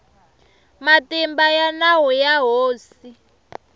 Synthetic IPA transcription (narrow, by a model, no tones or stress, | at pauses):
matimbajanaɦujaɦoːs | i